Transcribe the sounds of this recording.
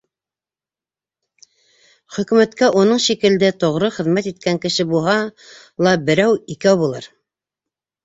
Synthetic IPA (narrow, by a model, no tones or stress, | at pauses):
χɵ̆kʉ̆mæt̪kæʔunɤɴʃikɘ̆ld̪ɘt̪ŏʁɾɤχɘ̆ðmæt̪it̪̚kæŋkɘ̆ʃɘbulˠɦɑ | lˠɑbɘ̆ɾæwikæwbulˠɤɾ